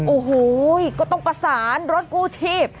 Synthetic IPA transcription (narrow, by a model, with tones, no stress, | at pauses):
ʔoː˨˩huː˩˦jkɔː˥˩t̪ɔ˥˩ŋpa˧saː˩˦nɾo˦˥t̪̚kuː˥˩t͡ɕʰiː˥˩p̚